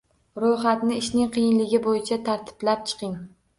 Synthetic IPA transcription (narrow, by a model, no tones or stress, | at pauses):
ɾojχat̪nɪɪʃnɪŋqʰijɪnlɪɡʲɪbojɪt͡ʃʰat̪ʰaɾt̪ʰɪ̥blap̚t͡ʃʰɨ̥qɪŋ